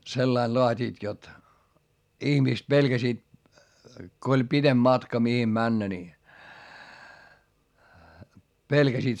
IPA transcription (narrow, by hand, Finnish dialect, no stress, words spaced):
selːɑil loɑtʲiːt jot ihmiˑst pelɡ̊æsiːt ko olʲ pitemb̥ mɑtkɑ mihim mænːæ ni pelɡ̊æsiːt